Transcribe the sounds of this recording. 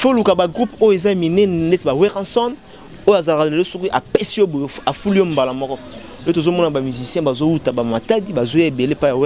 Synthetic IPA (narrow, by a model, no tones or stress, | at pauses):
folukabaɡʁupojoezaminɛnletbaweʁãsɔn | ojoazalakaelosukiʔapesiobojoafuliombalamɔkɔ | ot̬ozomɔnabamyzisjɛ̃bazowutabamatadibazojeebelepajawe